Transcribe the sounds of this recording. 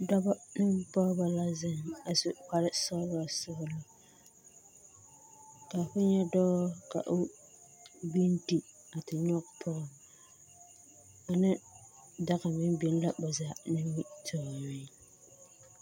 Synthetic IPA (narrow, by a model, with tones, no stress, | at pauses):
dɔ˦ba˦nɨ˦bɔ˦ɾba˨la˦zɪ˦ŋa˨sʊ˦k͡pa˦ɾɪ˦sɔ˦lɔ˦sʊ˦hʊ˦lɔ˦ | ka˨fʊ˦ɲɛ˦dɔː˦ka̰˨ʔʊ˦ | bi˦ndi˨ | a˨tɪ˨ɲɔ˦kpʰʊ˦ɣʊ˨ | a˨nɪ˦ | da˦ɣa˨mɪ˦n˦bi˦n˦la˦bʊ˨zaː˨nɪ˦i˦tʰɔ˨ɪ˨˦